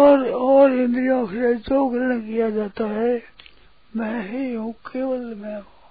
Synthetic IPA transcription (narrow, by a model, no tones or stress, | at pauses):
ɔːɾɔːɾɪ̃nd̪ijõkʰɾet͡ʃoːɡəɾnkijad͡ʒaːt̪aɦɛ | mɛ̃ːɦiɦũkeːʋəlmɛ̃ɦũ